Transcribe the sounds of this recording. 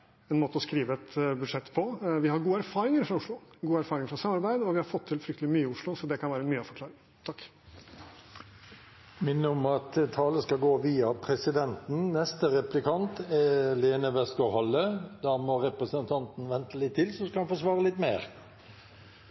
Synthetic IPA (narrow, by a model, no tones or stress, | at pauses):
ɛnmoːt̪əɔskɾiːʋəɛt̪bʉd̪ʂɛt̪ːpʰɔʋɪhɑɾɡuːəæɾfɑːɾɪŋəɾfɾɑʊʂɭʊɡuːəæɾfɑːɾɪŋəɾfɾɑsɑmɑɾbæɪd̪ɔʋɪhɑɾfɔt̪ʰːɪlfɾʏkt̪əlɪmyːəʊʂlʊsɔd̪ɛkʰɑnʋæːɾəmyːəɑfɔɾkʰlɑːɾɪŋ | t̪ʰɑkː | mɪnːəɔmɑt̪t̪ʰɑːləskɑɡoːʋiːɑpʰɾɛsɪd̪ɛnt̪n̩nɛst̪əɾɛplɪkʰɑnt̪ɛleːnəʋɛskɔhɑlːəd̪ɑmɔɾɛpɾəsənt̪ʰɑnt̪n̩ʋɛnt̪əlɪt̪ʰːɪlsɔskɑɑnfɔʂʋɑːʁəlɪt̪ːmeːɾ